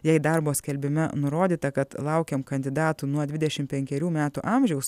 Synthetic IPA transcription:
jɛɪd̪ɑɾboːsʲkʲɛlʲbʲɪmʲɛnʊɾoːd̪ʲiːt̪ɐkɐt̪lˠɐʊkʲeːmkɐnʲd̪ʲɪd̪ɑːt̪uːnuɔd̪ʲʋʲɪd̪ʲɛʃʲɪmpʲɛŋʲkʲɛɾʲuːmʲæːt̪uʔɑmʲʒʲɛʊs

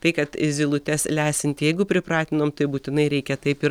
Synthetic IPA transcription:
t̪ɐɪkɐt̪zʲɪlˠʊt̪ʲɛslʲæːsʲɪnʲt̪ʲjɛɪɡʊpʲɾʲɪpɾɑːt̪ʲɪnoːmt̪ɐɪbuːt̪ʲɪnɐɪɾʲɛɪkʲɛt̪ɐɪpɪɾ

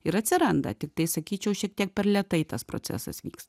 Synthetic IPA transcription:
ɪɾɐt̪ʲsʲɪɾɐnd̪ɐ̰t̪ʲɪk̚t̪ɐɪsɐkʲiːt͡ʃʲɛʊʃʲiɛk̚t̪ʲiɛk̚pʲɛɾlʲɛt̪ɐɪt̪ɐspɾo̰ːt͡s̪ʲæ̰sɐ̰sʋʲḭːks

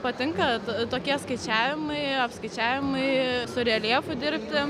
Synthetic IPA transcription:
pɐt̪ʲɪŋkɐt̪oːkʲiɛskɐɪt͡ʃʲæːʋʲɪmɐɪɐpskɐɪt͡ʃʲæːʋʲɪmɐɪsʊɾʲɛlʲiɛfʊd̪ʲɪɾʲpʲt̪ʲɪ

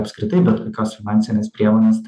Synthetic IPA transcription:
ɐpskɾʲɪt̪ɐɪbʲɛt̪kokʲoːsfʲɪnɑnʲsʲɪnʲeːspʲɾʲiɛmoːnʲeːst̪

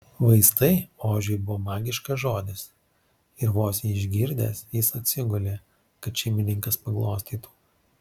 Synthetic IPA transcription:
ʋɐɪst̪ɐɪoːʒʲʊjbʊʋoːmɑːɡʲɪʃkɐʒoːd̪ʲɪs | ɪɾʋoːsʲjiɪʒʲɡʲɪɾʲd̪ʲḛːsjɪsɐt̪ʲsʲɪɡʊlʲeː | kɐt̪ʃʲɛɪmʲɪnʲɪŋkɐspɐɡlˠoːsʲt̪ʲiːt̪u̥ː

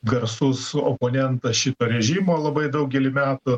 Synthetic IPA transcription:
ɡɐɾsʊsopoːnʲɛnt̪ɐʃʲɪt̪oːɾʲɛʒʲimoːlˠɐbɐɪd̪ɐʊk̚ɡʲɛlʲɪmʲæːt̪ʊ

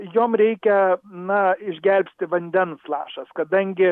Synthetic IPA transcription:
joːmɾʲɛɪkʲɛnɐɪʒʲɡʲɛlʲpʲsʲt̪ʲɪʋɐnʲd̪ʲɛnslˠɑ̰ːʃɐskɐd̪ɐŋʲɡʲɪ

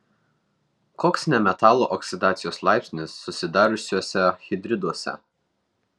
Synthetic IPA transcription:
koːksnʲɛmʲɛt̪ɑːlˠoʔɔksʲɪd̪ɑːt̪sʲɪjoːslˠɑˑɪpʲsʲnʲɪsːʊsʲɪd̪ɑːɾʊsʲuɔsʲɛxʲɪd̪ʲɾʲɪd̪uɔsʲɛ̰

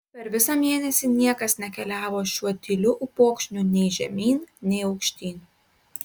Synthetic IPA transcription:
pʲɛɾʋʲɪsɑmʲeɛnʲɛsʲiːnʲiɛkɐsnʲɛkʲɛlʲæːʋoːʃʲuɔt̪ʲɪlʲʊʔʊpoːkʃʲnʲuːnʲɛɪʒʲɛmʲiːnnʲɛɪɒʊkʃʲt̪ʲiːn

